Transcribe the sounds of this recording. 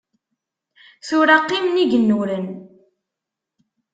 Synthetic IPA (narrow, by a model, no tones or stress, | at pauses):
θʊɾaqːimniʝənːuɾən